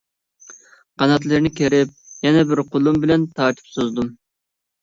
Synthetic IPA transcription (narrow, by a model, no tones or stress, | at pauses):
qʰɑnɑt̪lˠɨɾnɪkʲʰeɾɪp̚jɛnɛbɪɾqʰolˠumbɪlɛnt̪ʰɑɾt̪ʰɨ̥psozd̪um